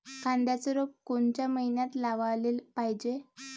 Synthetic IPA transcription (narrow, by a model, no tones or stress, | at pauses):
kʰãnd̪jat͡səɾop̚koɳt͡ɕjaməɦinjat̪laʋaleːlpaɦid͡ʑe